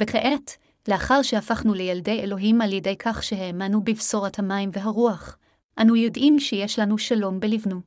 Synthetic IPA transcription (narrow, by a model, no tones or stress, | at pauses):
v̥eχeʔet | leaχaʁʃeafaχnulejalde̞jelo̞ɦimaljede̞jkʰaχʃeɦemanubifso̞ʁathamajmveɦaʁuaχ | ʔanujo̞dʔimʃejeʃlanuʃalo̞mbelivnu